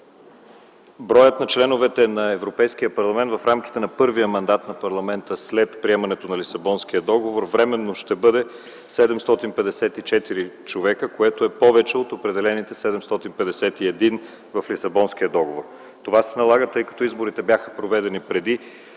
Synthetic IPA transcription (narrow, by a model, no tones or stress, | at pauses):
bɾɔjət̪nɐt͡ʃlɛnovɛt̪ɛnɐɛvɾopɛjsk̟iəpɐɾlˠɐmɛnt̪vɐfɾamki̥t̪ɛnɐpɤɾvijəmɐnd̪at̪nɐpɐɾlˠɐmɛnt̪əslɛt̪pɾiɛmɐnɛt̪onɐlisɐbɔnsk̟ijəd̪ɔɡovoɾvɾɛmɛnːoʃt̪ɛbɤd̪ɛ | sɛd̪ɛmst̪ɔt̪inpɛd̪ɛsɛt̪it͡ʃɛt̪iɾit͡ʃovɛkəkoɛt̪oɛpɔvɛt͡ʃɛot̪opɾɛd̪ɛlɛnit̪ɛsɛd̪ɛmst̪ɔt̪inpɛd̪ɛsɛt̪iɛd̪in | vɐflisɐbɔnsk̟ijəd̪ɔɡovoɾ | t̪ovasɛnɐlˠaɡət̪ɤjkɐ̥t̪ɔizboɾit̪ɛbjaxə̥pɾovɛd̪ɛnipɾɛd̪i